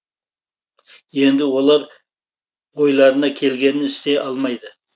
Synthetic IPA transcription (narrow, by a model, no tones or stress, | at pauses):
je̞nd̪ɪwo̞lˠɑɾ | o̞jlˠɑɾənɑkʲʰe̞lɡʲe̞nɪnɪst̪e̞ʔɑlˠmɑjd̪ə